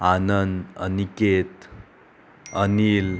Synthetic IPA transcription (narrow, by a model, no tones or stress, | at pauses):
anənd̪ə̰niket̪ | ənil